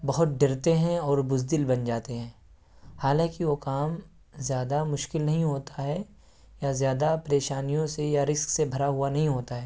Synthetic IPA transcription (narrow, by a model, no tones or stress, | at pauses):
bɐɦʊt̪̚ɖɪɾt̪eɦɛ̃ɔːɾbʊzd̪ɪlbɐnd͡ʒaːt̪eɦɛ̃ː | haːlãːkiʋokaːm | zjaːd̪amʊʃkɪlnɐɦĩɦoːt̪ʰaɦɛ | jazjaːd̪apɾeːʃaːnijõsejaɾɪsksebʱɐɾaɦuanɐɦĩɦoːt̪aɦɛː